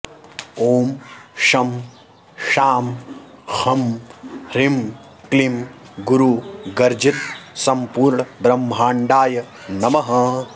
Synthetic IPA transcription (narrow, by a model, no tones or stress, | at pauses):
oːmʃɐm | ʃaːmhɐm | ɾim | klim | ɡuɾuɡɐɾd͡ʒit̪̚sɐmpuːɾɳɐbɾɐmːʱaːɳɖaːjɐ | nɐmɐɦɐ